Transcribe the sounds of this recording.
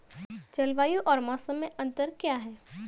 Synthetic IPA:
t͡ʃɐlʋaːjuʔɔːɾmãːsəmːẽʔɐ̃nt̪əɾkjaːɦɛː

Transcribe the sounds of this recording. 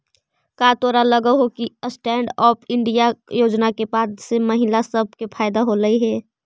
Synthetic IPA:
kaːt̪oːɾaləɡəɦokiəsʈɛːɳɖɔːpʰɪ̃ɳɖijajoːd͡ʒnakebaːd̪semɐɦɪlasəb̚ʱkepʰaːɪd̪aɦoɾəiɦɛː

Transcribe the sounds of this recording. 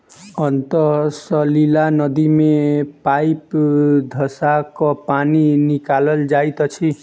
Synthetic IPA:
ɔnt̪ɔsɔlilanɔd̪imepajpd̪ʱɔsakɔpaninikalɔld͡ʒajt̪ɔt͡ʃʰi

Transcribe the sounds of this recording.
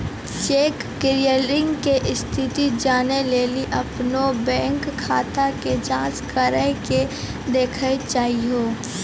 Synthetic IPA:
t͡ʃeːkːɪɾijəlɾɪ̃ŋɡkeʔɪst̪ʰɪt̪id͡ʒaːneleːliʔɐpnobɛ̃ːŋkʰːaːt̪aked͡ʒãːt͡ʃkəɾəɦke | d̪eːkʰəet͡ʃaːɦiɦoː

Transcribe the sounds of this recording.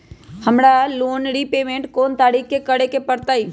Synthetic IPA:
həmɽaloːnɽipeːmẽːɳʈkoːnt̪aːɾiːkːekəɽekepəɾt̪aːiː

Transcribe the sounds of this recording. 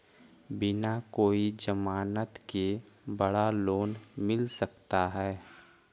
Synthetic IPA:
bɪnakoːid͡ʒəmaːnət̪ke | bəɽaloːnmɪlsəkt̪aɦɛː

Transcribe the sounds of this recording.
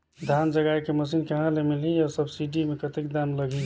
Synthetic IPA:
d̪ʱjand͡ʒəɡajkeməs̬inkeɦãlemiliɔɾsəbsiɖimekət̪ek̚d̪anləɡʱi

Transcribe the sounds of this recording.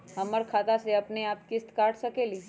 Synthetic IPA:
ɦəməɾkʰat̪aseapneap̚kɪst̪kaʈʃəkeli

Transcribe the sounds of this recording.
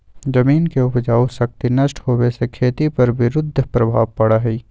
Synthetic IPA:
d͡ʒɐmiːnkeʊpd͡ʒaːusɐk̚t̪inɐʃʈɦoːwesekʰeːt̪ipɐɾʋɪɾʊd̪ʱːəpɾɐbʱaːʋpɐɽaɦiː

